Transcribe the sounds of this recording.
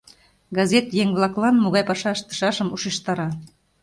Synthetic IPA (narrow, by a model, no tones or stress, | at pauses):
ɡɑzʲet̪jeŋβlˠɑklɑnmoɣɑjpɑʃɑʃt̪ə̥̆ʃɑʃəmuʃeʃt̪ɑɾɑ